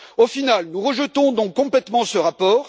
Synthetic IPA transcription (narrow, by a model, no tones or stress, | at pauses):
ofinalnuʁəʒət̪ɔ̃d̪ɔ̃kːɔ̃plɛt̪mɑ̃səʁapɔːʁ